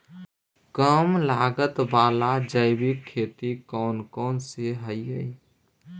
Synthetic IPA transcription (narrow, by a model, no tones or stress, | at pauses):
kəmlaːɡət̪baːlad͡ʒəɪbikʰːeːt̪ikɔːnkɔːnseɦəiɦəi